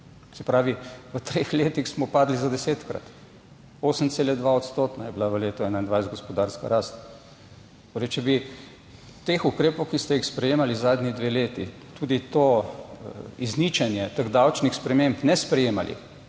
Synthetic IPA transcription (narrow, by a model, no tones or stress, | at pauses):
sɛpɾaːʋiʋət̪ɾeːxleːt̪ixsmɔpaːd̪lizad̪ɛseːt̪kɾa̰t̪ | oːsənt̪seːlɛd̪ʋaɔt̪st̪oːt̪najɛbilaʋəleːt̪ɔɛnaind̪ʋajszt̪ɡɔspɔd̪aːɾska̰ɾaːst̪ | moɾet͡ʃɛbi | t̪eːxukɾeːpɔwkist̪ɛixspɾɛjeːmalizaːd̪nid̪ʋeːleːt̪i | t̪uːd̪it̪o | iznit͡ʃɛnjɛt̪əɡd̪awt͡ʃnixspɾɛmempnɛspɾɛjeːmalʔḭ